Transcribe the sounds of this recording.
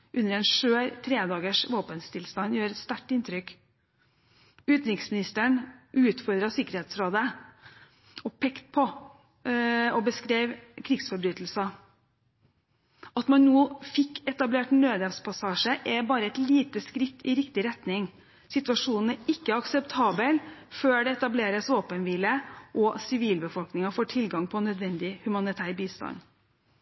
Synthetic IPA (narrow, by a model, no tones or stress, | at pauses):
ʔʉnːəɾɛnʂøːɾt̪ʰɾeːd̪ɑːɡəʂʋoːpənst̪ʰɪlst̪ɑnjøːɾɛt̪st̪æʈːɪnt̪ʰɾʏk | ʉːt̪ɾɪŋsmɪnɪst̪əɳʔʉːt̪fɔɾd̪ɾɑsɪkəɾheːt̪sɾoːd̪ə | ɔpʰɛkt̪̚pʰɔ | ɔbəskɾeːʋkʰɾɪɡsfɔɾbɾyːt̪l̩sɑ | ɑt̪mɑnnoːfɪkːɛt̪ɑbleːʈnøːd̪ɛspʰɑsɑːʂəʔɛbɑːɾəɛt̪liːt̪əskɾɪt̪ːɪɾɪkt̪ɪɾɛt̪nɪŋ | sɪt̪ʉɑʂuːnn̩æɾɪkːəɑksɛpt̪ʰɑːbəlføːɖɛɛt̪ɑbleːɾəsoːpənʋɪləʔɔsɪʋiːlbəfɔlknɪŋɑfoːʈʰɪlɡɑŋpʰɔnœd̪ʋɛnd̪ɪhʉmɑnɪt̪ʰæːɾbiːst̪ɑ̰n